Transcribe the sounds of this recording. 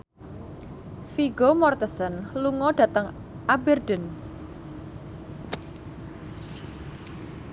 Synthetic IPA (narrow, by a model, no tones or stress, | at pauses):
fiɡomɔrt̪əsənluŋɔɖ̥ä̤t̪əŋ | ʔabərdən